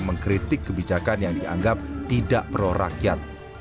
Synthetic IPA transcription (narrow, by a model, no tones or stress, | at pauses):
məŋkɾit̪ɪkːəbid͡ʒakanjaŋdia̰ŋɡap̚t̪idaʔpəɾoɾa̰kjat̪̚